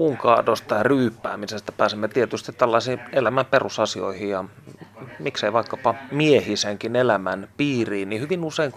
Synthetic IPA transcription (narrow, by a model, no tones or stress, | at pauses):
uŋkɑːdost̪ɑryːpːˑæ̰ːmisest̪æ̥pæːsemːet̪iet̪yst̪it̪t̪ælːɑisiːelæmæmperusɑsio̰ihijɑ | mikseiʋɑikːɑpɑmiehiseŋkinelæmænpiːriːnnihyʋinuseiŋk